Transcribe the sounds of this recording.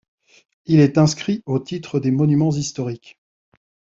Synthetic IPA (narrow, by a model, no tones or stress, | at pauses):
ilɛt̪ɛ̃skχiot̪it̪χəd̪emɔnymɑ̃zist̪ɔʁik